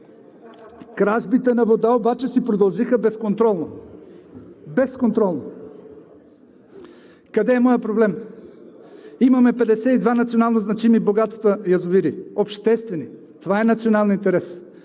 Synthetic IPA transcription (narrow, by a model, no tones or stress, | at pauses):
kɾaʒbit̪ɛnɐvod̪aobat͡ʃɛsipɾod̪ɐlˠʒixəbɛskont̪ɾɔlˠno | bɛskont̪ɾɔlˠno | kɐd̪ɛːmɔjəpɾoblɛm | imɐmɛpɛd̪ɛsɛid̪vanɐt̪sionalˠnoznɐt͡ʃimiboɡat̪t̪əjɐzʊviɾiopʃt̪ɛst̪vɛni | t̪ovaɛnɐt̪sionalˠnint̪ɛɾɛs